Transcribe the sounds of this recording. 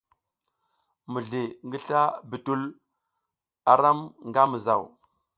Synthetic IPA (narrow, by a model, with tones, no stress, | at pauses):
mu˨ɮi˨ŋɡi˦ɬa˦bi˨tu˦l | a˨ɾa˦mŋɡa˦mə˨za˨w